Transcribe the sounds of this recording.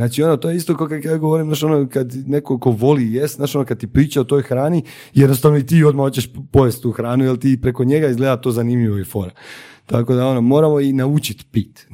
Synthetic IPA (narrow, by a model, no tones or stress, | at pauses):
znaːt͡ʃio̞not̪o̞jeist̪o̞kokakjaɡoʋoɾimnaːʃonokad̪ne̞koko̞ʋo̞lijest̪naːʃo̞nokad̪̚t̪ipɾiːt͡ʃaot̪o̞jxɾaːni | jed̪no̞st̪aʋno̞it̪iːo̞d̪mao̞t͡ɕeʃpo̞ʋest̪t̪uːxɾaːnujelt̪ipɾe̞ko̞ɲe̞ɡaizɡled̪at̪o̞ːzanimʎiʋoifo̞ɾat̪ako̞d̪ao̞no̞mo̞ːɾamo̞inaut͡ʃit̪pit̪